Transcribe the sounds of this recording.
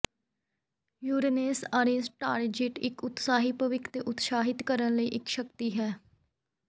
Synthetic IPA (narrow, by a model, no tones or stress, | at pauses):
juːɾeneːsaːɾeːsʈaːɾd͡ʒɪʈɪkʊt̪saːɦiːpəʋɪkʰt̪eːʔʊt̪ʃaːɦɪt̪kəɾənləiːʔɪkʃəkt̪iːɦɛː